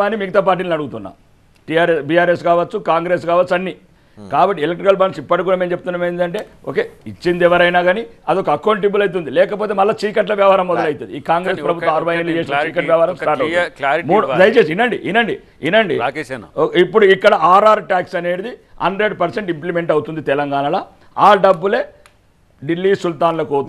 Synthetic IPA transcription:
aːnimiɡɐt̪aːp̬aːɾʈ̬ːiːlnɐɽuɡut̪unːa̰ːm | ʈiaːɾesbijaːɾeskaːʋɐt͡ʃːukaːŋɡɾe̞ːskaːʋɐt͡ʃːɐnːi | kaːbɐʈːiɛlek̚ʈɾikɐlbaːnsipːɐʈikuːɽaːmemt͡ʃep̚t̪unːaːmeːnd̪ɐɳʈe̞ːo̰ːkeːit͡ʃːind̪ɛʋɐɾɐjnaːɡaːniɐd̪iokɐɐkːɐwɳʈ̬ibulɐjt̪̬und̪ilɛːkɐp̬o̞ːt̪eːmɐlːaːst͡ʃiːkɐʈ̬lɐʋjɐʋɐɦaːɾɐmːɔd̪ɐlɐjit̪und̪ḭiːkaːŋɡɾeːspɾɐbut̪ːɐmɐɾʋɐjɐnlit͡ʃeːsit͡ʃiːkɐʋjɐʋɐhaːɾɐmsʈaːɾʈɐwudimːd̪ɐjɐt͡ʃeːsinːɐɳɖḭʔinːɐɳɖi | inːɐɳɖḭ | ipːuɽuikːɐɽɐʔaːɾaːɾʈaːksɐne̞ːɽid̪ihɐ̰ɳɖɾeɖpɐɾseɳʈimplime̞ɳʈɐwut̪und̪it̪ɛlɐŋɡaːnɐlɐ | aːɖɐbːule̞ː | ɖilːiːsult̪aːnlokoːt̪

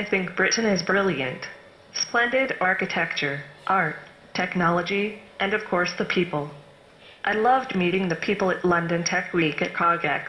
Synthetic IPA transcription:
aɪθɪ̃ŋk̚b̥ɹɪʔn̩ɨzbɹɪlˠjɨ̰̃nt | splɛ̃ndɪɾɑɹkɨtʰɛk̚t͡ʃə˞ʔɑɹtʰ | ɛknɑlˠəd͡ʒiʔɨ̃nʌv̥kʰɔɹsðɨpʰipl̩ˠ | ʔaɪlʌvdmiɾɪ̃ŋðɨpʰipl̩ˠɨtˡlʌ̃ndɨ̃ntʰɛkʰwikɨt̚kʰɑɡɛ̰k

